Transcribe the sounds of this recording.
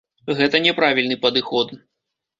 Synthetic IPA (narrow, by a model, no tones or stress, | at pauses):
ɣɛt̪ɐnʲɛpɾavʲilʲnɨpɐd̪ɨxɔd̪